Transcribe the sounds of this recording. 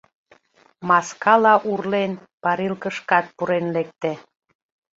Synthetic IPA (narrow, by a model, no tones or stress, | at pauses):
mɑskɑlɑʔurlenpɑɾilkəʃkɑt̪̚puɾenlek̚t̪ĕ